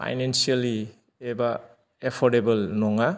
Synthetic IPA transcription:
pʰa̰jnensiali | eba | epʰɔɾdebɐlnɔŋa

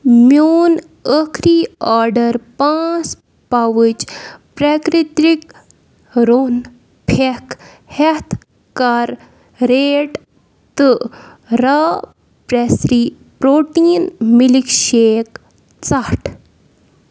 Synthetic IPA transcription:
mjoːn | əkʰɾiaːɾɖəɾpãːt͡s | paʋɨt͡ʃpɾɛkɾit̪ɾik | ɾon | pʰɛkʰ | hɛt̪ʰ | kaɾː | eːʈ | t̪ɨ | ɾa | pɾɛsɾi | pɾoːʈiːnmilikʃeːk | t͡saʈʰ

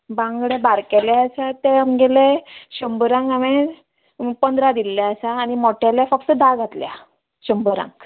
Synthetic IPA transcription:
bãŋɡɭebaɾkelɛəsat̪eamɡeleɕəmbəɾãŋɡaʋẽ | pənd̪ɾad̪ilːjaəsaːnimɔʈeljafək̚t̪əd̪aɡʱat̪lja | ɕəmbəɾã̰ŋɡ

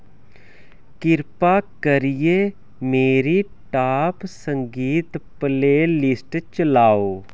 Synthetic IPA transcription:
kɪɾpakəɾije | meːɾi | ʈaːpsə̃ŋɡiːt̪pəleːlɪsʈt͡ʃəlaːoː

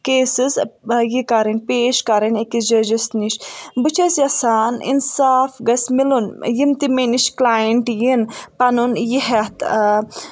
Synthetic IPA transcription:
keːsizjikɐɾɐnʲpeːʃkɐɾɐnekid͡ʒɐd͡ʒɐsniʃbɨt͡ʃʰɐsjɐsaːnḭnsaːfɡɐsmilunjimt̪imeniʃklaːjiɳʈjinpɐnunjiɦɐt̪

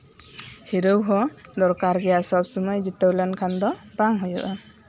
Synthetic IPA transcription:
hiɾəwɦɔd̪ɔɾkaɾɡɛjasɔbsɔmɔjd͡ʒit̪əwlɛnkʰand̪ɔbaŋɦujɔ̰ʔɔ

